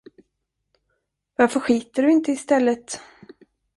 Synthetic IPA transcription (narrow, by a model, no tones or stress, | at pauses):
vaɾfœɧiːt̪əɖɵɪnt̪əɪst̪ɛlːət̪